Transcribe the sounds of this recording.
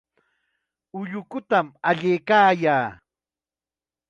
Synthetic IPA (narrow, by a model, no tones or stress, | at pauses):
ʊʎʊkʊt̪amaʎejkaːjaː